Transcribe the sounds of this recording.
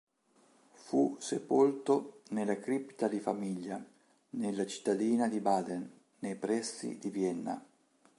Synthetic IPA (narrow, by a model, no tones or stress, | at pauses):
fusepolt̪onelːakɾipːt̪ad̪ifamiʎːa | nelːat͡ʃi̥t̪ːad̪iːnad̪ibad̪ɛnː | ejpɾɛsːḭd̪ivjɛnːa̰